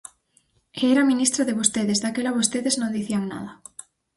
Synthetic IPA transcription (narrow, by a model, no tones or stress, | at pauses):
eɾamĩnist̪ɾaðeβost̪eðezðakelaβost̪eðeznõnd̪iθiaŋna̰ða